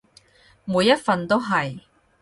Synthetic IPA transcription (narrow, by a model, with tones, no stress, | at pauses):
muː˨˧jːɐ˥t̚fɐ˨nt̪o˥wɦɐ˨j